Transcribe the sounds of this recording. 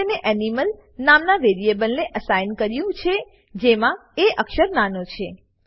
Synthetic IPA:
neʔɛniməl | namnaʋeɾiebəlneʔəsajnkəɾjũt͡ʃʰe | d͡ʒemãeʔəkʃəɾnanot͡ʃʰe

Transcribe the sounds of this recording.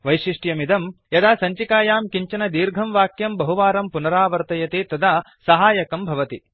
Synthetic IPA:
ʋɐjʃiʂʈjɐmid̪ɐmjɐd̪aːsɐɲt͡ʃikaːjaːmkiɲt͡ʃɐnɐd̪iːɾɡʱɐmʋaːkjɐmbɐɦuʋaːɾɐmpunɐɾaːʋɐɾt̪ɐjɐt̪eːt̪ɐd̪aː | sɐɦaːjɐkɐmbʱɐʋɐt̪i

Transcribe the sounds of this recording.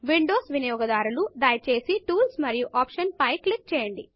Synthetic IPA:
ʋiɳɖoːsʋinɐjɔːɡɐd̪aːɾulud̪ɐːjt͡ʃe̞ːsiʈuːlsmɐɾijuʔaːpʂɐnpɐjklik̚t͡ʃɛːjɐɳɖḭ

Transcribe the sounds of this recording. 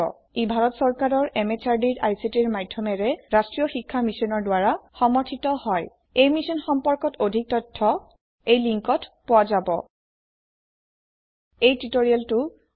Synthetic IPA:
ɔ̰ | ibʱaɹɔtsɔɹkaɹɔɹemet͡ʃaɹdiɹʔajsitiɹmajdʱːɔmɛɹɛɹastɹijɔxikʰːamisɔnɔɹdwaɹaxɔmɔɹtʰitɔhɔj | ejmisɔnxɔmpɔɹkɔtodʱik̚tɔtʰːɔ | ejliŋkɔtpowazabɔ̰ | ejtitoɹialtʊ

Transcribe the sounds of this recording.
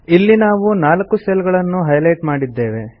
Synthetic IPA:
ilːinaːʋunaːlɐkːuselɡɐɭɐnːuɦɐjlɐjʈmaːɽid̪ːe̞ːʋe̞

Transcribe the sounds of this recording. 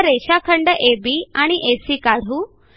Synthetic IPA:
ɾeɕakʰəɳɖəʔebiːaɽ̃iʔesiːkaɽ̤uː

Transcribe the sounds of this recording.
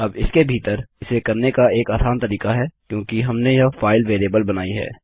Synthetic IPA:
ɐbɪskebʱiːt̪əɾɪsekɐɾnekaeːkaːsaːnt̪ɐɾiːkaɦɛːkjõːkiɦɐmnejɐfaːɪlʋeːɾeːbəlbɐnaːiɦɛ̰ː

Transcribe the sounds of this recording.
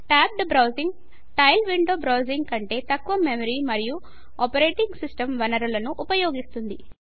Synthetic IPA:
ʈaːp̚ɖbɾɐwziŋɡ | ʈɐjlʋiɳɖoːbɾɐwziŋɡkɐɳʈe̞ːt̪ɐkːʋɐmemɐɾiːmɐɾiju | ɔpɐɾe̞ːʈiŋɡsisʈɐmʋɐnɐɾulɐnuʔupɐjo̞ːɡist̪und̪i

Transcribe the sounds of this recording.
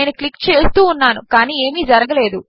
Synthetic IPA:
jɐnɐklikːt͡ʃe̞ːst̪uːunːaːnukaːniːe̞ːmiːd͡ʒɐɾɐɡɐle̞ːd̪u

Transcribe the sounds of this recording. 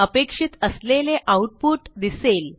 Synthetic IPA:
əpekʂit̪əsleleʔauʈ̚puʈd̪isel

